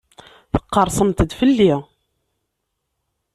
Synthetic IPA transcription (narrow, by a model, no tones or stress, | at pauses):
θə̥qːəɾˤsˤəmt̪əd̪fəlːi